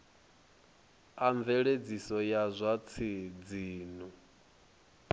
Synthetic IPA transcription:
aɱvɛɺed͡zisɔjazʷat͡sʰid͡ziːnu

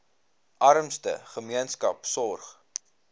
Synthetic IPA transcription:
ʔɐɾəmstə̰χəmiənskɐpsɔrχ

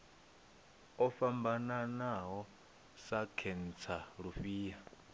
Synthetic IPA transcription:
ɔfambananaɦɔ | sakʰɛn̩t͡sʰaɺuɸiːja

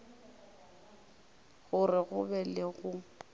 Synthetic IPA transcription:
ɣʊrɪɣʊbɛlɪɣʊ

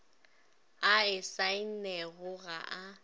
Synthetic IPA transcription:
aɪsaɪnnɛɣʊɣa̰ʔa

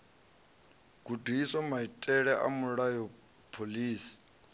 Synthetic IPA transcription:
ɡ̥udʱiisɔmaitʼɛɺɛʔa̰muɺajɔ | pʰoliːsi̥

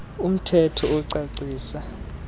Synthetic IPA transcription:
um̩tʰɛtʰɔuǀaǀiːsa

